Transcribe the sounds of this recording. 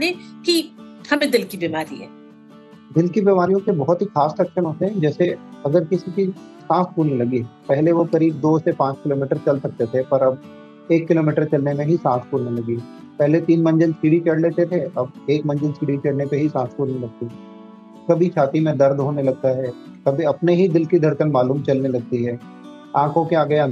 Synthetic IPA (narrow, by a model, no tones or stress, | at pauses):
ekihɐmẽd̪ɪlkibimaːɾḭɦɛ̰ː | d̪ɪlkibimaːɾijõkebɔɦɔt̪ɦixaːsɾɐkʃənõt̪ʰeɦɛ̃d͡ʒɛːseɐɡəɾkɪsikisãːskuːɾnelɐɡiɦɛ̃pɛɦleʋokɐɾiːb̚d̪oːsepãːt͡ʃkɪloːmiːʈəɾt͡ʃɐlsɐk̚t̪et̪ʰepɐɾɐb̚ | eːkːɪloːmiːʈəɾt͡ʃɐlnemẽɦisãːspuːɾnelɐɡi | pɛɦlet̪iːnmɐ̃ɲd͡ʒənsiːɽit͡ʃɐɽleːt̪et̪ʰeɐb̚eːkmɐ̃ɲd͡ʒənsiːɽit͡ʃɐɽnepeɦisãːspuːlnelɐɡ̚t̪iɛ | kɐbʱit͡ʃʰaːt̪imẽd̪ɐɾd̪ʱɦoːnelɐɡ̚t̪aɦɛ | kɐbʱiɐpneɦid̪ɪlkid̪ʱɐɾkənmaːluːmt͡ʃɐlnelɐɡ̚t̪iɦɛː | ãːkʰõkeaːɡɐja